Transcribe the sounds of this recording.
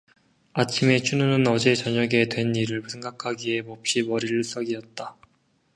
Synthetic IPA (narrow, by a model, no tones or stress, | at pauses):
at͡ɕʰime̞t͡ɕʰununɯnʌd͡ʑe̞t͡ɕʌɲʌɡe̞dwe̞nːiɾɯɭsʰe̞ŋɡakʰaɡie̞mop̚ɕ͈imʌɾiɾɯɭs͈ʌɡiʌt̚t͈a